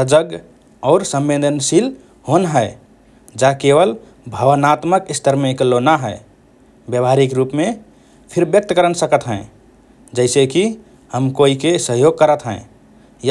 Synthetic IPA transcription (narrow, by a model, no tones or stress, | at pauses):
səd͡ʒəɡ | ɔʊɾsə̃mbed̪ʱənsil | honɦəe | d͡ʒakeʋəl | bʱəʋənat̪məkist̪əɾmẽklonaɦəe | bjəbʱaɾikɾupme | pʰiɾbjək̚t̪əkəɾənsəkət̪ɦɛ̃ | d͡ʒəɪseki | həmkoikesəɦjoɡ̚kəɾət̪ɦɛ̰̃ | j